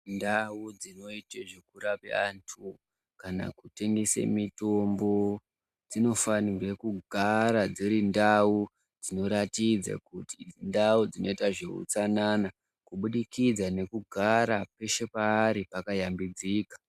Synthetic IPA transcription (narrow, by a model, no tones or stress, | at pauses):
ndaud͡zino̞iteʐekuɾapḛantʰu | kana̰kute̞ŋɡesḛmito̞mbo̞ | d͡zino̞fanirwe̞kuɡʱaɾad͡ziɾindau | d͡zino̞ɾatid͡za̰kutindaud͡zino̞itaʐḛṵt͡sanana | kuɓuɗikid͡zane̞kuɡʱaɾape̞ʃe̞paːɾipakajambid͡ziːkḁ